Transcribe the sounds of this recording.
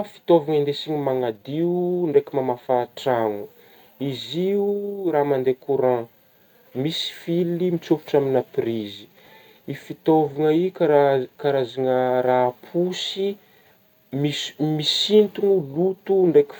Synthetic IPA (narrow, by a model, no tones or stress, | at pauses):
fi̥t̪ovaŋend̪esiɲimaŋad̪iuɳɖ͡ʐekimamafaʈ͡ʂaŋu | iziuramand̪ekuɾã | misi̥filimit͡supu̥ʈ͡ʂaminapirizi̥ | ifit̪ovaŋəikaakaɾazaŋəɾapʰusi | mi̥misint̪uŋulut̪uɳɖ͡ʐeki̥